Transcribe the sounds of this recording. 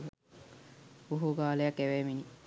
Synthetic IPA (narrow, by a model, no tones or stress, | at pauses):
uɦuɡaːlejɐkːeʋeːmini